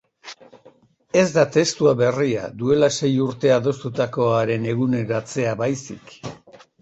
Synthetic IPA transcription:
e̞zd̪at̪e̞st̪uaβe̞ria̰d̪ue̞lase̞juɾt̪e̞aðo̞st̪ut̪ako̞aɾe̞ne̞ɣ̞une̞ɾoat͡se̞aβajsḭk

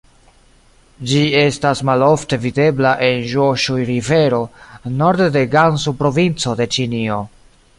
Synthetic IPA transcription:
d͡ʒie̞stasmalo̞fte̞vide̞blaʔe̞nʒoʃujɾive̞ɾo̞no̞ɾd̪de̞ɡansupɾo̞vint͡so̞de̞t͡ʃinio̞

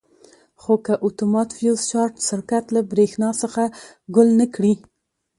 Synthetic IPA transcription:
xokəʔʊt̪umɑt̪fjust͡ʃɑɾʈʃɪɾkat̪labɾexnɑsəxa | ɡʊlnəkɽi

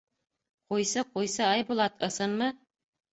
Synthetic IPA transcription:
qujsɤqujsɤɑjbulˠɑt̪ʰɤ̆sɤnmɤ

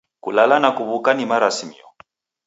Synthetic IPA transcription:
kṵlalanakuβukanimaɾasimḭɔ̰

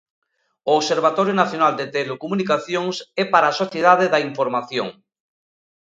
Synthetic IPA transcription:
oːβseɾβ̞at̪oɾjonaθjonald̪et̪elokomunikaθjoŋsɛpaɾaːsoθjeð̞að̞eðaiɱfoɾmaθjo̰ŋ

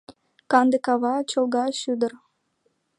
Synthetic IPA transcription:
kɑnd̪ekɑβɑt͡ɕolˠɣɑɕyd̪ər

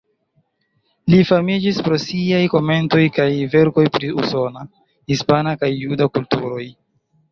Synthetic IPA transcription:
lifamid͡ʒispɾo̞siajko̞me̞nto̞jkajve̞ɾko̞jpɾiṵso̞na | hispanakajːudakultuɾo̞j

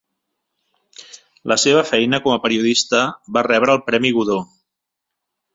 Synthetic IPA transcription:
lʔəseβ̞əfɛjnəkɔməpəɾiuðist̪əβarɛβ̞ɾəːlˠpɾɛmiɣuðo

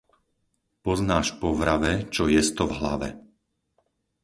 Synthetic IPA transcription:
pɔznaːʃpɔʋɾaʋɛt͡ʃɔjɛst̪ɔvɦla̰ʋɛ̰

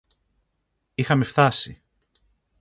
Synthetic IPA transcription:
ixɐme̞ft̪ɐsi

